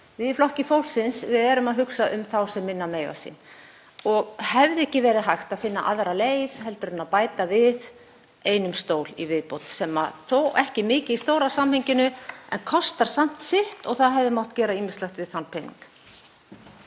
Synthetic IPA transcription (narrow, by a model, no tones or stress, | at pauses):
vɪðɪflɔhcɪfowlsɪnsvɪðɛːɾʏmaðɦʏksaʔʏmθawsɛmːɪnːamejɣa̰sḭn | ɔɣhɛvðɛhcɪvɛːɾɪðɦajxt̪aðfɪnːaʔaðɾaleːjðhɛlt̪ʏɾʏnːaðpaːjt̪avɪð | eːjnʏmst̪oːwlivɪðpowt̪sɛma̰θowɛhcɪmɪːcɪist̪owɾasamhɪɲcɪnʏɛ̰nkʰɔst̪aɾ̥sam̥t̪sɪht̪ɔɣθaðɦɛvðɪmɔwht̪cɛːɾaiːmɪstlajxt̪vɪðθanːpʰejniŋk